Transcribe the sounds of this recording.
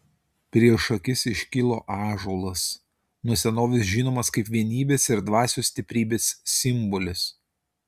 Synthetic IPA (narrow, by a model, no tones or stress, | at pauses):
pʲɾʲiɛʃɐkʲɪsɪʃʲkʲɪlˠoːʔɑːʒoːlˠɐs | nʊɔsʲɛnoːʋʲɪs̬ʒʲiːnoːmɐskɐɪpʋʲiɛnʲiːbʲeːsɪɾd̪ʋɑːsʲuːsʲt̪ʲɪpʲɾʲiːbʲeːsːʲɪmbɔlʲɪs